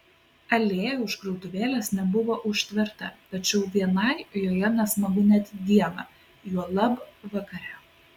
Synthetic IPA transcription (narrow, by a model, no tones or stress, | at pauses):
ɐlʲeːjɛʊʃɡɾɔʊt̪ʊʋʲeːlʲesnʲɛbʊʋoːʔʊʃʲt̪ʲʋʲɪɾt̪ɐt̪ɐt͡ʃʲɛʊʋʲiɛnɐɪjoːjɛnʲɛsmɐɡʊnʲɛt̪ʲd̪ʲiɛnɐ | juɔlˠɐbʋɐkɐɾʲɛ